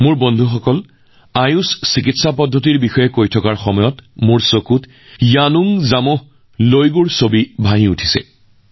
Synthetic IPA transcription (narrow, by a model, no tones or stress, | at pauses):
mʊɹbɔndʱuxɔkɔl | ajussik̬itsapɔdʱːɔt̬iɹbixɔjɛkojtʰɔkaɹxɔmɔjɔtmʊɹsokut | januŋzamʊh | lojɡuɹsobibʱaɦĩutʰi̥sɛ̰